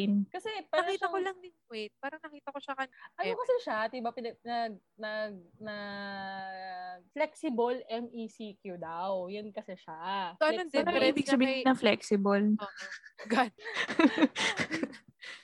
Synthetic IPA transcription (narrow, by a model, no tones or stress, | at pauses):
nkɐsɛpaːɐɾɐkiːʃɐkolɐŋd̪ɪŋwɛt̪̚paːɾɐŋnɐkiːt̪ɐkoʃakɐnʔɐnokɐsɛʃat̪ibapɪnɐnɐɡ̚ | nɐɡ̚nɐ | flɛksɪbolʔɛmʔisikjud̪awjɐnkɐsɛʃaoʔɐnonɛɐɾiːbɪɡɐbiːnɐŋflɛksɪbɐl | ɡan